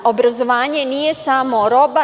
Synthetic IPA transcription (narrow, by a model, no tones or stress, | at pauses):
obɾazoʋaːɲe̞nije̞samo̞ɾo̞ba